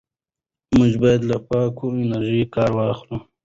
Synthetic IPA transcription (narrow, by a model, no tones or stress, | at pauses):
mʊʒbɑjad̪lapɑːkoɪnaɾʒikɑːɾwɑːxlu